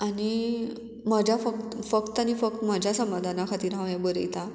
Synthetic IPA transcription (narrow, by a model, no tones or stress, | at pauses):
ani | m̤əd͡ʑʱafək̚t̪fək̚t̪ːanifək̚t̪m̤əd͡ʑʱjasəmad̪ʱanakʰat̪iːɾɦãʋjabəɾ̰jt̪a